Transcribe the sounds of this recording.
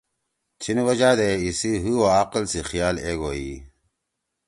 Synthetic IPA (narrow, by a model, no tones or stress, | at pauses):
t͡ɕʰinwɐd͡ʑaːd̪eisiɦuwoaːqəlsixijaːleːɡoi